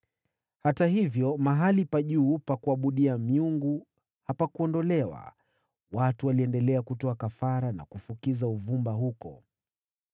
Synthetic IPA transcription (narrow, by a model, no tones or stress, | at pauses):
hatahivjɔmaɦalipaʄuːpakuaɓuɗiamiuŋɡu | hapakuɔndɔlɛwa̰ | watuwaliɛndɛlɛakutɔakafaɾana̰kufukizauvumbaɦukɔ̰